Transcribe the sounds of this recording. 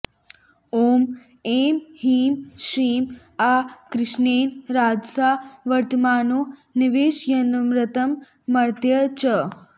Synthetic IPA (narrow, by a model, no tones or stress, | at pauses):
oːm | eːmhiːmʃiːm | aːkɾɪʃneːnɾaːd͡ʒsaːʋɐɾt̪əmaːnoniʋeːʃjɐnmɾɐt̪ɐmː | ɐɾt̪jɐt͡ʃɐ